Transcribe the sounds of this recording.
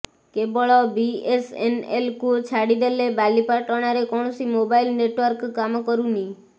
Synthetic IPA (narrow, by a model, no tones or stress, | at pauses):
kebɔɭɔbiesḛnḛlkut͡ʃʰaɽid̪elebalipaʈɔɽ̃aɾekɔɳ̃ɔsimobailneʈʋəɾkːamɔkɔɾũni